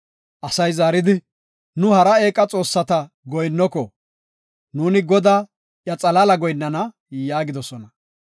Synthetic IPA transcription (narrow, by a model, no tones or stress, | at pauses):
ʔɐsɐjzaːɾɪd̪ɪ | nʊhɐɾɐe̞ːkʼːɐt͡sʼo̞ːsːɐt̪ɐ | ɡɔjnːɔkɔ | nuːnɪɡɔd̪aː | ʔjɐt͡sʼɐlalɐɡɔjnːɐnɐ | jaːɡɪd̪ɔsɔnɐ